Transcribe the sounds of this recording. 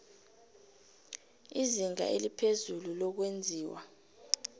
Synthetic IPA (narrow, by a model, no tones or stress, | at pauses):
iziŋa̰ʔelipʰezululɔk̬wend͡zʱiːwa